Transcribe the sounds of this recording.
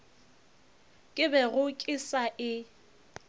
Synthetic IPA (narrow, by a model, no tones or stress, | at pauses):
kʼɪbɛɣʊkʼɪsaʔɪ